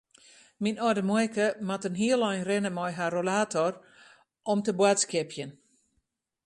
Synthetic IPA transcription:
minɔdəmɔjkəmatənɦiəlɔjnrɪnəmɔjɦarolaːtʰɔr | ʔɔmtəbwatskɪpʰjən

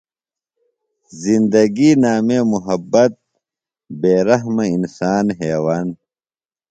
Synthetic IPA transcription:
zind̪ɐɡiːnaːmeːmuɦɐbːɐt̪̚ | beːɾɐɦmɐinsaːnɦeːwaːn

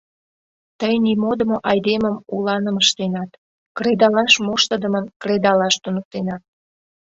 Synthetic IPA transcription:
t̪əjnimod̪əmoʔɑjd̪eməmulɑnəməʃt̪enɑt̪ | kred̪ɑlɑʃmoʃt̪əd̪əmənkred̪ɑlɑʃt̪unək̚t̪enɑt̪̚

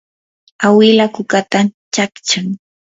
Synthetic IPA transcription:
awɪlakʊkat̪at͡ʃakt͡ʃaŋ

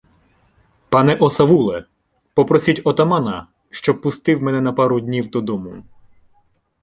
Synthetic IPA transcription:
pɑnɛʔɔsɐʋulˠɛ | pɔpɾɔsʲitʲɔt̪ɐmɑnɐ̰ | ʃt͡ʃɔb̚pːʊst̪ɪwmɛnɛnɐpɑɾʊd̪ʲnʲiwd̪ɔd̪ɔmʊ

